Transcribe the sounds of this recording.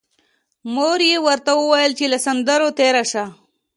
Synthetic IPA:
moɾjewəɾt̪awəwajəlt͡ʃelasand̪əɾot̪eɾaʃa

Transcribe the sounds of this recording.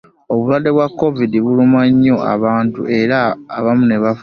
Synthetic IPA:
o̞βulwadːe̞βwakːo̞vidiβulumaɲːo̞ʔa̰βaːntṵʔe̞ɾaːβamune̞βaf

